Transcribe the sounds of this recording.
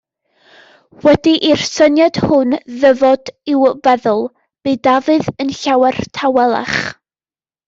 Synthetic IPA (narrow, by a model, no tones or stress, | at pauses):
wɛdiʔir̥sənjad̥hʊnðəvɔdɪwvɛðʊlˠ | b̥ɨdavɨðənɬawɛrtʰawɛlˠa̰χ